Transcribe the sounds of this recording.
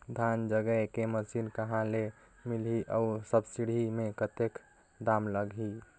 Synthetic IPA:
d̪ʱand͡ʒəɡəkeməsinkəɦãle | miliʔəusəbsiɽ̤ʱimẽkət̪ek | d̪amləɡʱi

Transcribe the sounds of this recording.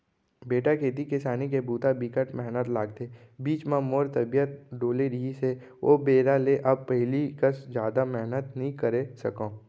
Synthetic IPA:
beːʈakʰeːt̪̬ikɪsaːnik̬ebuːt̪abikəʈmɛɦnət̪laːɡ̚t̪e | biːt͡ʃmãmoːɾt̪əbijət̪̚ɖoːleɾiɦise | o̰ːbeːɾaleʔɐb̚pəɦɪlikəsd͡ʒjaːd̪amɛɦnət̪nəɦĩkəɾesɐkõː

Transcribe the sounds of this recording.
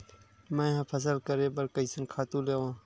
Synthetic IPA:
mẽːɦɐ̃pʰɐs̬əlkəɾẽːbɐɾkəisɐnkʰaːt̪ũːleːʋãː

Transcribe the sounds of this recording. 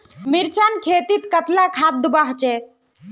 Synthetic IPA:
miɾt͡ʃankʰet̪it̪kət̪lakʰat̪̚d̪ubaɦt͡ʃɛ

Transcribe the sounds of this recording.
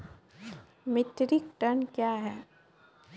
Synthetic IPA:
mɪʈɾɪk̚ʈəɳkjaːɦɛː

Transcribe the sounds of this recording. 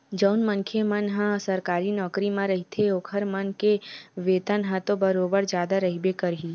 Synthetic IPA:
d͡ʒəʊnmənkʰemənɦə̃sɐɾkaːɾinɔːkɾimãɾɐɦit̪ʰeoːkʰəɾmɐnkeʋeːt̪ənɦə̃t̪obɐɾoːbəɾd͡ʒjaːd̪aɾɐɦibekəɾɦiː

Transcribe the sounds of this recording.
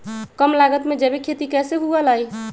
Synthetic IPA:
kəmlaɡət̪med͡ʒɛbekʰet̪ikɛseɦuələj

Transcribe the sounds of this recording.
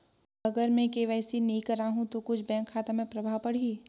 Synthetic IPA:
ɐɡəɾmẽkeʋɛːsinɐĩkɐɾaːɦũt̪okʊt͡ʃʰbɛ̃ːŋkʰːaːt̪amẽpɾɐbʱaːwpɐɽ̤iː

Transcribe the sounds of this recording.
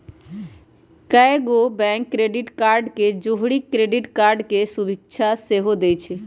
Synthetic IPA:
kaeɡobɛ̃ŋkːɾeɖiʈkaɾɖked͡ʒoɦɽikɾeɖiʈkaɾɖkesubik̚t͡ʃʰaseɦod̪et͡ʃʰɛ

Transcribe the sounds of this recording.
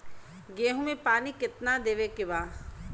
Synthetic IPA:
ɡeːɦũmẽpaːnikɪt̪nad̪eːʋekɪbaː

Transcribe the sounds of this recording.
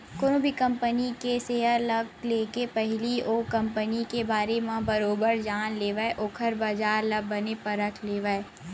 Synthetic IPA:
koːnõbʱikɐ̃mpənikeseːɦəɾlɐɡ̚leːkepɛɦɪlioːkɐ̃mpənikebaːɾemãbɐɾoːbəɾd͡ʒaːnleːʋəeʔoːkʰəɾbad͡ʒaːɾlɐb̚ːɐnepɐɾət̪ʰleːʋəe

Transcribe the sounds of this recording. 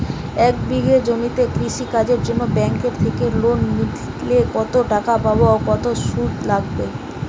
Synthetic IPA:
ɛk̚biɡed͡ʑomit̪ekɾiʃikad͡ʑeɾd͡ʑonːobɛŋkeɾt̪ʰekelonːid̪ | lekɔt̪oʈakapabookɔt̪oʃud̪laɡbe

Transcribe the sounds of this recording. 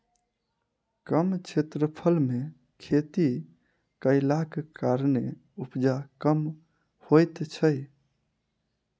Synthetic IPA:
kəmt͡ʃʰet̪ɾəpʰəlme | kʰet̪i | kəɪlakkaɾne | upd͡ʒakəm | hojt̪t͡ʃʰəj

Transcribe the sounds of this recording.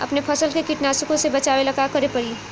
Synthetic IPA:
ɐ̰pnepʰəsəlkekiʈnasɪkõsebɐt͡ʃaːwelɐkakəɾepəɾi

